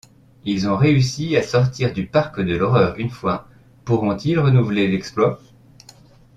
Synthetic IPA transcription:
ilzɔ̃ʁeysiasɔʁt̪iʁd̪ypaʁkd̪əlɔʁœːʁynfwa | puʁɔ̃t̪ilʁənuvlelɛksplwa

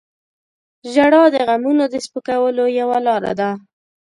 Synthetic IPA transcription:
ʒaɽɑd̪əɣamunod̪əspəkawəlojawalɑɾa̰d̪a

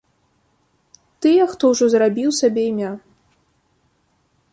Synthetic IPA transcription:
t̪ɨjɛxt̪ɔwʐɔzrabʲiwsabʲeimʲa

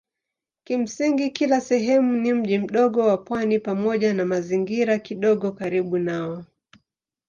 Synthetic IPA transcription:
kim̩siŋɡikilasɛɦɛmunim̩ʄim̩ɗɔɠɔwapwanipamɔʄanamaziŋɡiɾakiɗɔɠɔkaɾiɓunaɔ

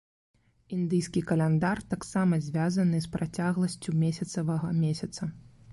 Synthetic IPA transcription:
ind̪ɨjskʲikɐlʲɛnd̪art̪aksamɐzʲvʲazɐnɨspɾat͡sʲaɣlˠɐsʲt͡sʲumʲesʲɐt̪sɐvɐɣɐmʲesʲɐt̪sɐ

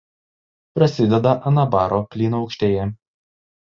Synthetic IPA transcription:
pɾɐsʲɪd̪ʲɛd̪ɐʔɐnɐbɑːɾoːpʲlʲiːnoɒʊkʃʲt̪ʲeːjɛ

